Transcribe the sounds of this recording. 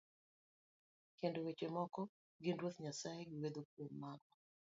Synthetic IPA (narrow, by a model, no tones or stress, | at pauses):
kendowet͡ʃwemɔkɔ | ɡɪndwot̪ɲasaeɡɪwed̪ok̚womːaɡɔ